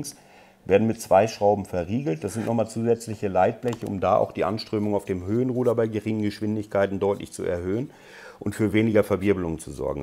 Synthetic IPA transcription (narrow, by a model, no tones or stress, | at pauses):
ŋs | v̥eːɐdn̩mɪtt͡sv̥aɪʃʁ̥aʊbm̩fɛɐʁiːɡl̩t̚d̥asz̥ɪntnɔχmaːlt͡suːzɛt͡slɪçəlaɪt̚b̥lɛçəʊ̰mdaːʔa̰ʊxd̥iːʔa̰nʃtʁ̥øːmʊŋaʊfd̥eːmɦøːənʁuːdɐbaɪɡəʁɪŋənɡəʃv̥ɪndɪçkʰaɪtn̩dɔʏtlʔɪ̰çt͡sṵʔɛ̰ɐhøːən | ʔʊntfyːɐveːnɪɡɐfɛɐvɪɐbəlʊŋənt͡suzɔ̰ɐɡŋ̩